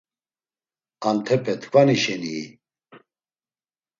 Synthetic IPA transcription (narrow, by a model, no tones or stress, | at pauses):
ant̪ʰɛpʰɛt̪ʰkʰʷʼaniʃɛniː